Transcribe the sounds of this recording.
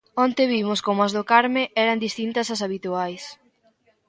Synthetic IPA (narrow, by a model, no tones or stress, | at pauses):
ont̪eβimʊskomʊɐzðʊkaɾmeɛɾɐnd̪ist̪int̪ɐsɐs̬aβit̪uajs